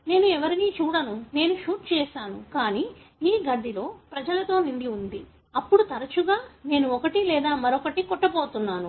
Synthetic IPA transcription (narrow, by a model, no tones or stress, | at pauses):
ne̞ːnuɛʋɐɾiniːt͡ʃuːɽɐnune̞ːnuʃuːʈ̚t͡ʃɛːʃaːnukaːniː | ɡɐɖʱːilo̞ːpɾɐd͡ʒɐlɐt̪o̞ːniɳɖiund̪i | ɐpːuɽut̪ɐɾɐt͡ʃuɡaːne̞ːnuɔkɐʈilɛːd̪aːmɐɾokɐʈikɔʈːɐboːt̪unːaːnu